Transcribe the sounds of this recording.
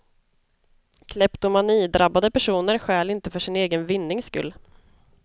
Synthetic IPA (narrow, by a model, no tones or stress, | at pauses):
kʰlɛpt̪ʊmaniːd̪ɾʔabːad̪əpæʂuːnəɾɧɛːlɪnt̪əfœʂɪneːɡənvɪnːɪŋskɵ̰lː